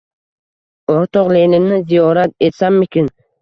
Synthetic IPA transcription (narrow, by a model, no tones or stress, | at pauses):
oɾt̪ʰɒqlelɪnɪzijɒɾat̪̚e̞t̪sanmɪkʲɪn